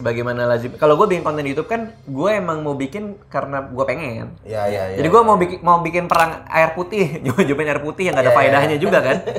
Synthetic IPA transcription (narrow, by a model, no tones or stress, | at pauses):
baɡajmanalaɡikaloɡuabikɪnpɔnt̪anjut̪up̚kanɡuaemaŋmaubikɪnkaɾənaɡuapeŋɛ̰nd͡ʒadiɡuamaubikmaubikɪnpəɾaŋa̰ɪrput̪ɪhd͡ʒud͡ʒupɪnaɪrput̪ɪhjaŋɡadapaidaɦɲad͡ʒuɡakan